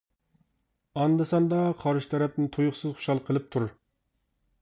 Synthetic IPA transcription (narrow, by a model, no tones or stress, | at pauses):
ɑnd̪ɨsɑnd̪ɑqʰɑɾʃt̪ʰɛɾɛp̚nɪnt̪ʰojʊχsɨzχʊ̥ʃɑlˠqʰəlˠɨp̚t̪ʰuɾ